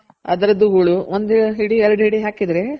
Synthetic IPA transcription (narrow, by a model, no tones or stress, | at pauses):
ɐ̰d̪ɐɾɐd̪ːuɦuːɭuʋond̪ɦiɽiɛɾɐɽɦiɽiɦaːkid̪ɾe